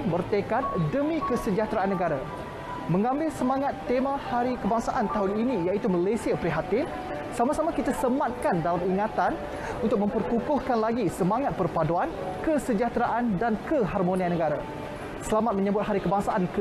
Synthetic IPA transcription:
bərt̪ekat̪̚dəmĩkəsəd͡ʒat̪ɾaʔanːəɡaɾa | mə̃ŋãmbɪlsəmaŋat̪ːemãhaɾikəbaŋsaʔant̪aɦʊninijait̪umalasiapəɾiɦat̪ɪm | samasamakit̪asəmat̪̚kandalamiŋat̪an | unt̪ʊk̚mə̃mpərkukʊhkanlaɡisəmaŋat̪̚pərpaduan | kəsəd͡ʒat̪ɾaʔandankəɦarmonianːəɡaɾa | səlamat̪̚mə̃ɲəbʊt̪̚ɦaɾikəbaŋsaʔankə

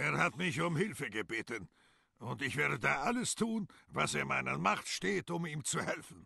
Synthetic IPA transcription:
ʔeːɐhatmɪçʊmhɪlfəɡəbeːtən | ʊntɪçv̥eːɐdədaːʔaləstʰuːnvaseːɐmaɪnəmaχtʃteːtʊmiːmt͡suhɛlfn̩

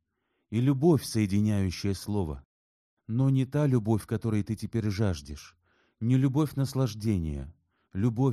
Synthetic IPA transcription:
ilʲʊbo̞fʲsəjɪdʲɪnʲæjʉɕːɪjəslˠo̞və̰ | no̞nʲɪt̪alʲʊbo̞fʲkɐt̪o̞ɾɨjt̪ɨtʲɪpʲeɾʲʐaʐdʲɪʂ | nʲɪlʲʊbo̞fʲnəslˠɐʐdʲenʲɪ̰jə̰ | lʲʊbo

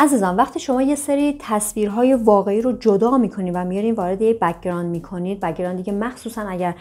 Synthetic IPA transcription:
æziːzɒnvæχt̪ʰiːʃo̞mɒːje̞seɾiːt̪ʰæsviːɾɦɒːje̞vɒːɣe̞iːɾod͡ʒod̪ɒːmiːkʰo̞niːnvæmijɒɾiːnvɒːɾe̞d̪ejecbækɾɒːnd̪miːkʰo̞niːd̪̚bæk̚ɾɒːnd̪iːkʰemæxsuːsænæɟæɾ

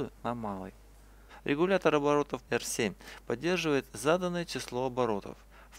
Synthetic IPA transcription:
ɨnɐmalˠə̰j | ɾʲʔɪɡʊlʲat̪əɾɐbɐɾo̞t̪əfɛrsʲemʲpɐdʲːe̞rʐɨvəjɪt̪zad̪ənːəjət͡ɕɪslˠo̞ɐbɐɾo̞t̪ə̰f

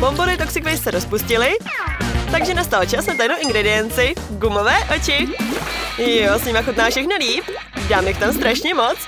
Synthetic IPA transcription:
b̥omboɾɪt̪oksɪkvɛjssɛɾospuscɪlɪ | t̪aɡʒɛnast̪alot͡ʃɛlsmɛt̪ajnowʔɪŋɡɾɛdɪjɛnt͡sɪɡumovɛːʔot͡ʃɪ | josɲimaxut̪̚naːfʃɛxnaliːp | daːmjɪxt̪amst̪ɾaʃɲɛmot͡s

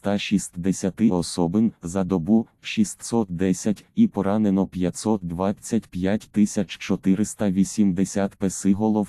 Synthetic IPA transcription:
t̪ɑʃʲist̪d̪esʲɐt̪ɪʔɔsɔbɪnzɐd̪ɔbuwʃist̪ʲsɔt̪̚d̪ɛsʲɐtʲipɔɾɑnenɔpʲjɐt̪ʲsɔt̪̚d̪ʋɑt͡sʲːɐtʲpʲjatʲt̪ɪsʲɐt͡ʃt͡ʃɔt̪ɪɾɪst̪ɐʋʲisʲimd̪esʲat̪pesɪɦɔlˠɔw

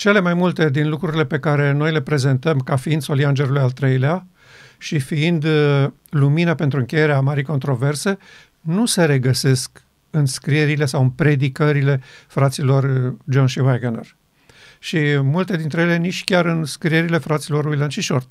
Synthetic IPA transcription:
t͡ʃe̞le̞majmult̪e̞d̪inlukɾuɾile̞pe̞kaɾe̞no̞jle̞pɾe̞ze̞nt̪əmkafiind̪so̞liand͡ʒe̞ɾulujalt̪ɾejlea | ʃifiind̪ | luminape̞nt̪ɾuɨŋkʲe̞je̞ɾeamaɾijko̞nt̪ɾo̞ve̞rse̞ | nuse̞ɾe̞ɡəse̞sk | ɨnskɾie̞ɾile̞sawɨnpɾe̞d̪ikəɾile̞fɾat̪silo̞rd͡ʒonʃivajɡenḛr | ʃimult̪e̞d̪int̪ɾe̞jele̞nit͡ʃʲkʲaɾɨnskɾie̞ɾile̞fɾat̪silo̞ruilanʃiʃort̪

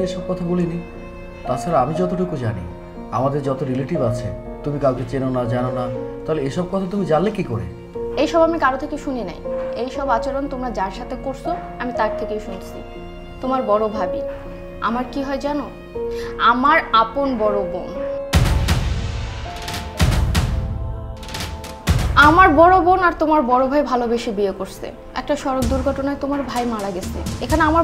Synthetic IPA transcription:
eʃɔb̚kɔt̪ʰabolini | t̪aɾt͡ɕʰaɾeamid͡ʑɔt̪oʈukud͡ʑanḭ | a̰mad̪eɾd͡ʑɔt̪oɾileʈibat͡ɕʰḛ | t̪umikawket͡ɕenonad͡ʑanonat̪aɦoleejʃɔb̚kɔt̪ʰat̪umid͡ʑanlekikoɾḛ | ejʃɔbamikaɾot̪ʰekewʃunina̰jejʃɔbat͡ɕaɾont̪omɾad͡ʑaɾʃat̪ʰekoɾsʰo | amit̪aɾt̪ʰekewʃunt͡ɕʰi | t̪omaɾbɔɾobʱabi | a̰maɾkiɦɔed͡ʑɛno | amaɾaponbɔɾobon | amaɾbɔɽobonaɾt̪omaɾbɔɾobʱajbʱalobeʃibiekoɾsʰḛ | ɛ̰k̚ʈaʃɔɾokd̪uɾɡʱɔʈonaet̪omaɾbʱajmaɽaɡesʰḛekʰaneama

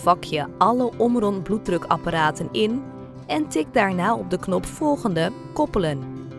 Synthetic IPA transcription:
vɑkʰjəɑləʔɔmrɔndblut̚drɵkɑ̰paɾaːtənɪn | ʔɛntɪɡ̚daːɹnaːɔb̚dəknɔpfɔlˠɣəndə | kɔpələn

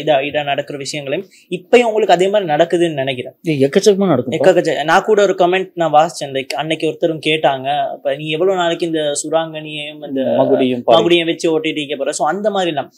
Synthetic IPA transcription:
ɪðɐɪðɐnɐɽɐkːɯɾɐʋɪʂɐjɐŋɡɐɭɐjʊ̃m | ɪpːɐjɯ̃ʊŋɡɐɭɯkːɐðeːmaːd̪ɾinɐɽɐkːɯðɯnːɯnɪnɛk̬ːɪɾẽːeɛkːɐt͡ʃːɐmaːnɐɽɐkːɯmɛkːɐkːɐt͡ʃːɐnãːkuːɽɐɔɾɯkɐmɛɳʈ̚nãːʋaːst͡ʃːɐ̃nd̪ɐkːɐnːɛkːɯɔɾɯt̪ːɐɾɯmkeːʈːaːŋɡɐɐ̰pːɐnĩːɛʋːɐɭoːnaːlɯkːɯɪnd̪ɐsʊɾaːŋɡɐɳɪjɐjʊmɪnd̪ɐmɐɣɯɽɪjɯmpaːmɐɣɯɽɪjɐ̃ʋɛt͡ʃːɯoːʈːɐjʈːɯkːɐpːoːɾẽsoːɐnd̪ɐmaːðɾilãː

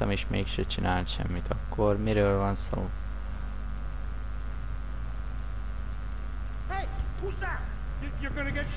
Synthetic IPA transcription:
t̪ɒmeːʃmeːkʃɛt͡ʃinaːlt̪ʃɛ̰mːit̪ʰɒkːo̞rmiɾøːlvɒnso̰ː | usa | joɡɔnəɡɛ

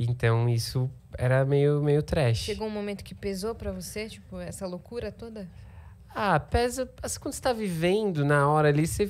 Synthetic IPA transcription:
ẽnt̪ɐ̃w̃isʊ | ɛ̰ɾɐmejʊmejʊt̪ɾɛʃɪʃeɡoũmõmẽnt̪ʊ̥kɪ̥pezopɾɐvoset͡ʃipʊɛsɐlokuɾɐt̪od̪ɐ | apɛzɐasĩ̥kwɐ̃d̪ʊse̥t̪avivẽnd̪ʊnɐɔɾɐːlise

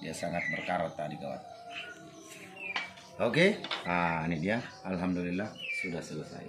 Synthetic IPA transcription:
iasaŋat̪̚bərkaɾat̪adikawa̰t̪̚ | okeanidiaalɦamdulilːasudahsələsa̰j̰

